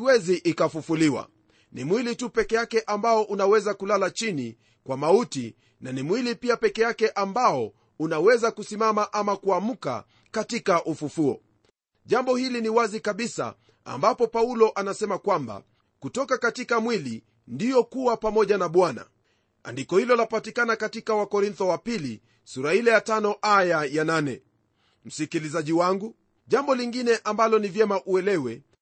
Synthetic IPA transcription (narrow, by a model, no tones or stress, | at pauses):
wɛziʔikafufuliwa̰ | nimwilitupɛkɛjakɛʔambaɔʔunawɛzakulalat͡ʃini | kwamauti | nanimwilipiapɛkɛjakɛʔambaɔ | unawɛzakusimamaʔamakuam̩ka̰ | katikaʔufufuɔ̰ | ʄambɔhiliniwazikaɓisa̰ | a̰mbapɔpaulɔʔanasɛmakwamba̰ | kutɔkakatikamwili | ndijɔkuwapamɔʄanaɓwana̰ | a̰ndikɔhilɔlapatikanakatikawakɔɾint̪ɔwapili | suɾahilɛjatanɔʔajajananɛ | m̩sikilizaʄiwaŋɡu | ʄambɔliŋɡinɛʔambalɔnivjɛmaʔuɛlɛwɛ